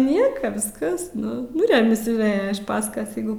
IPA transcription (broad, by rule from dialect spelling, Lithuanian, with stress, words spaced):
ˈnʲiɛkɐ ˈʋʲɪskɐs ˈnʊ nʊ rʲɛmʲɪs jɛʊ ˈʋʲeːjɛ ɪʃ ˈpɑːskɐs ˈjɛɪɡʊ